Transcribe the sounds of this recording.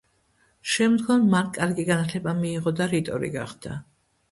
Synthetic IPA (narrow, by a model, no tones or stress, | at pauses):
ʃɛmd̪ɡɔmmaɾkʼaɾɡiɡanat̪ʰlɛbamiːʁɔd̪aɾit̪ʼɔɾḭɡaχd̪̥a